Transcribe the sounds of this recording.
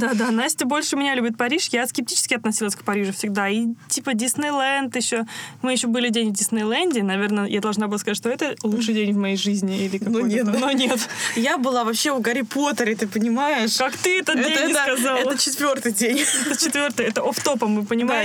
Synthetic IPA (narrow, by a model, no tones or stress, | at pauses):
d̪ad̪anasʲtʲbo̞lʲʂɨmʲɪnʲalʲʉbʲɪt̪̚pɐɾʲiʂjaskʲɪp̚tʲit͡ɕɪ̥skʲɪɐt̪nɐsʲilˠəsʲkpɐɾʲiʐʊfʲsʲɪɡd̪aitʲipədʲɪsnɨjlˠɛnt̪jɪɕːomɨjɪɕːobɨlʲɪdʲenʲvʲdʲɪsnəjlˠanʲdʲɪnɐvʲe̞rnəjad̪ɐlˠʐnabɨlˠaskɐzat̪̬ʲːʂt̪oɛt̪əlˠuʂɨjdʲenʲvmɐjejʐɨzʲnʲɪilʲɪkak̪nonʲet̪jabɨlˠavɐpɕːe̞ʊɡəɾʲɪpo̞t̪əɾʲɪt̪ɨpənʲɪmajɪʂkakt̪ɨɛt̪əɛdenʲskɐzalɛt̪ət͡ɕɪt̪vʲo̞rt̪ɨjdʲenʲɛt̪ət͡ɕɪt̪vʲo̞rt̪ɨjɛt̪əʔoft̪opəmɨpənʲɪmaɪ